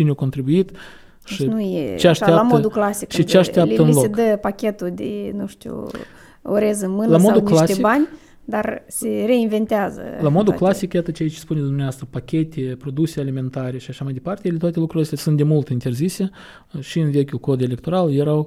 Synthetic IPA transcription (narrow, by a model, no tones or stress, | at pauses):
t͡ʃineawkot̪ɾibuit̪ | ʃinujḛt͡ʃeaʃealapmtoəd̪uklasikʃit͡ʃeaʃt̪eap̪əɨnlosekd̪əpakʲe̞t̪ud̪ḛnuʃt̪ṵ | o̰ɾezɨmɨnlamo̞d̪unkilast̪eibanʲ | d̪arse̞re̞inve̞nt̪eazə̰lamo̞d̪uklasikjat̪ət͡ʃejat͡ʃespunʲed̪umneast̪ɾəpakʲe̞t̪ʲʰepɾo̞d̪usealime̞nt̪aɾe̞ʃiaʃamajd̪e̞part̪elet̪wat̪elukɾuɾlost̪ʲasunt̪d̪ʲemult̪int̪ʲe̞rzise̞ | ʃiɨnve̞kʲulko̞d̪e̞lek̚t̪o̞ɾaljeɾaw